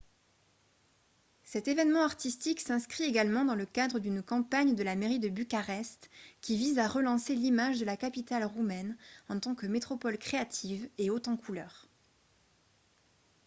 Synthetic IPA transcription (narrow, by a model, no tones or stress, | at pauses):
sɛt̪evɛnmɑ̃aʁt̪ist̪iksɛ̃skχieɡalmɑ̃d̪ɑ̃ləkad̪ʁəd̪ynkɑ̃paɲd̪əlameʁid̪əbykaʁɛst̪kʲivizaʁəlɑ̃selimaʒd̪əlakapit̪alʁumɛnɑ̃t̪ɑ̃kəmet̪χɔpɔlkχeat̪ʰiveot̪ɑ̃kʰulœːʁ